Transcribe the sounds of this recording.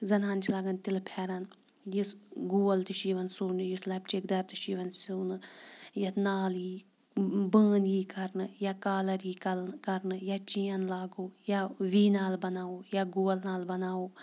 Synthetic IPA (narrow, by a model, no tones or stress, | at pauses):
zɐnaːnt͡ʃʰilaːɡɐnt̪ilpʰɛːɾɐn | jisɡuːɐlt̪iʃiːʋɐnsuːnɨjuslaːpt͡ʃekd̪ɐɾt̪iʃiːʋɐnsuːnɨjɐt̪naːljiː | bəːnjiːkɐɾnɨjaːkaːlɐɾiːkɐlkɐɾnɨjaːt͡ʃijɐnlaːɡoːjaʋiːnaːlbɐnaːoːjaːɡuːɐlnaːlbɐnaːoː